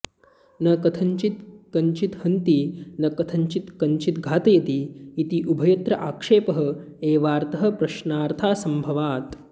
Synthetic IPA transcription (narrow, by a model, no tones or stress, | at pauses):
nɐkɐt̪ʰɐɲt͡ʃit̪kɐɲt͡ʃit̪hɐnt̪inɐkɐt̪ʰɐɲt͡ʃit̪kɐɲt͡ʃit̪ɡʱaːt̪ɐjɐt̪iːt̪iʔubʱɐjɐt̪ɾɐʔaːkʂeːpɐɦɐ̆ | eːʋaːɾt̪ɐɦɐ̆pɾɐʃnaːɾt̪ʰaːsɐmbʱɐʋaːt̪